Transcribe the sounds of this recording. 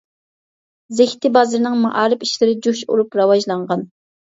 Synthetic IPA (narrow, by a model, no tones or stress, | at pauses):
zɪhʲt̪ʰɪbɑzɨɾnɨŋmɑʔɑːɾɨpiʃlɪɾɪd͡ʒuʃṵɾupɾɑwɑʒlˠɑɴʁɑn